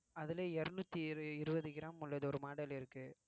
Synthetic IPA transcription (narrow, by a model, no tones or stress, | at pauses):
ɐðɪleːɛɾɯnʊt̪ːiɪɾɯbɐðɯɡɪɾaːmʊlːɐðɯɔɾɯmaːɽɐlɪɾɯkːɯ